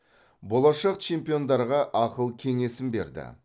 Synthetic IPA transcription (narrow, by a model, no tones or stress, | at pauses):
bo̞lˠɑʃɑq̚t͡ʃʰe̞mpijo̞nd̪ɑɾʁɑʔɑqəlˠkʲʰe̞ŋe̞sɪmbe̞̰ɾd̪ɪ̰